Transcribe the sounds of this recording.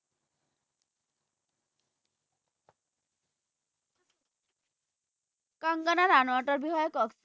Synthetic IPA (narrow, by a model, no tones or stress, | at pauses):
kɔŋɡanaɾanoaʈɔɾbiɦɔjɔkɔks